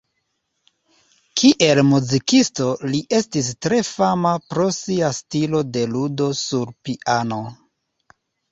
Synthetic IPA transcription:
kʰiʔe̞lmuzikisto̞liʔe̞stistɾe̞famapɾo̞siastilo̞de̞ludo̞suɾpiʔano̞

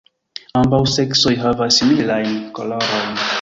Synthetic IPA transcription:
ambawsekso̞jɦavasːimilajnko̰loɾojn

